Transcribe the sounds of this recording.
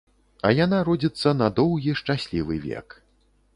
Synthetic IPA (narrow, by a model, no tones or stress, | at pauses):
ɐ̰janaɾɔd͡zʲit̪sːɐnɐd̪ɔwɣʲiʂt͡ʂasʲlʲivɨvʲɛ̰k